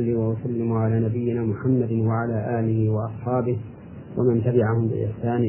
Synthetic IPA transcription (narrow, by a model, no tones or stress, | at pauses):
lːɪwawasalːɪmʊʕalaːnabɪjːɪnaːmʊħamːad̪waʕalaːʔaːlɪhɪwɑʔɑsˤħɑːbɪh | wamant̪abɪʕahʊmbɪ̰ʔɪ̰ħsaːnɪ